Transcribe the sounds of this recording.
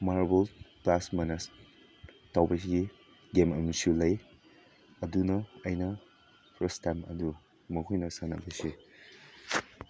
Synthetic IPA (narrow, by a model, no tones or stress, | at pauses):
maɾbolplasmanas | tawbɐs̬iɡi | ɡemɐmisulɐj | ɐdunɐɐjnɐ | pʰɾɐstajmɐ̰du | mɐkʰojnɐsanɐbɐsi